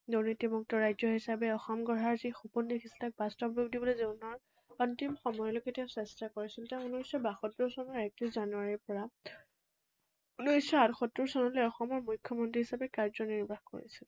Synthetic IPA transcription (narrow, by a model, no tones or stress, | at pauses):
duɹnitibɔk̚tɔɹajzɔɦisabɛɔxɔmɡɔɦaɹzixupunːixʰistak̚bastɔbɹubdibɔlozenɔɹ | ɔntimxɔmɔjɔlokɛtɛʊsɛstakoɹisiltaʊ̃unusɔbaxɔtɹuɹsɔnɔɹɛk̚tɹiszanuaɹiɹpɔɹa | unuisɔatxɔtɹuɹsɔnɔlojɔxɔmɔɹmujkʰːjɔmɔntɹiɦisabɛkaɹzɔniɹbʱaxko̰ɹḭsil